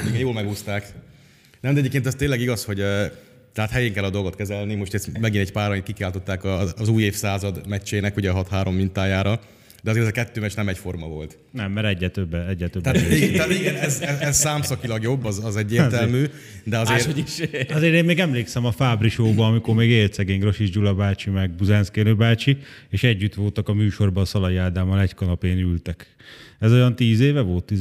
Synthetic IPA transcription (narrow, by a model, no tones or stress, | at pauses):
iɡɛjoːlmɛɡust̪aːk | nɛmd̪ɛɟepkenɛst̪eːlːɛɡiɡɒsho̞ɟøː | t̪ɛɦat̪hɛjeːŋkɛlːɒd̪o̞lɡo̞t̪kɛzɛlnimo̞ʃt̪ɛsmɛɡinɛɟpaːɾɒjinkikaːlt̪o̞t̪ːaːkɒːzuːjeːfsaːzɒd̪mɛt͡ʃːeːnɛkuɟɛɦɒt̪haːɾo̞mːint̪aːjaːɾɒ | d̪ɛɒzeːɾɛzɛkɛt̪ːøːmɛt͡ʃnɛmɛcfo̞rmɒvo̞̰lt̪ | nɛmːɛɾɛɟːɛt̪øbːɛɛɟːɛt̪øb̪ɛatiɡɛnt̪ɛat̪iɡɛnɛzɛzɛzsaːmsɒkilɒɡjo̞bːɒzɒzɛɟːeːt̪ɛlmyː | d̪ɛɒzzeːɾiʃɒzeːɾeːnmeːɡɛmleːksɛmɒfaːbriʃoːbɒɒmikormeːɡeːlt̪sɛɡeːɲɡro̞ʃiʒd͡ʒulɒbaːt͡ʃimɛɡ̚buzɛnskeːløbaːt͡ʃieːʃɛɟːyt̪ʋo̞lt̪ɒkɒmyːʃo̞rbɒːsɒlɒjaːd̪aːmɒlɛckɒnɒpeːnylt̪ɛk | ɛzo̞jɒnt̪iːzeːvɛvo̞lt̪ːi